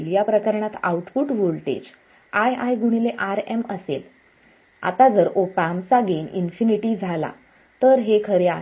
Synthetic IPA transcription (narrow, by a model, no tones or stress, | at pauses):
lijapɾəkəɾɳat̪a̰uʈpuʈʋolʈḛd͡ʑ | ajajɡuɽ̃ileʔaɾeməsḛl | a̰t̪ad͡zəɾopamt͡saɡenḭnfiniʈiːd͡zʱala̰ | t̪əɾɦekʰəɾea